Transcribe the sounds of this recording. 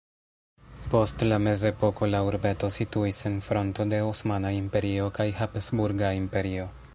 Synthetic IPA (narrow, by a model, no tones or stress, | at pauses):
po̞stlame̞ze̞po̞ko̞lauɾbe̞to̞situise̞nfɾo̞nto̞de̞osmanaimpe̞ɾio̞kajhapsbuɾɡaimpe̞ɾio̞